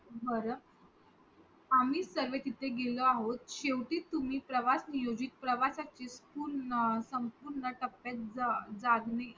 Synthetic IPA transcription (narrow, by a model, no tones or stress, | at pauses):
bəɾ | am̤iːsəɾʋet̪it̪ʰeɡeləaɦot̪ɕeʋʈiːt̪ːum̤iːpɾəʋasnijod͡ʑiːt̪̚pɾəʋasat͡ɕispuɾɳəsəmpuɾɳəʈəpːjat̪̚d͡zd͡zaɡne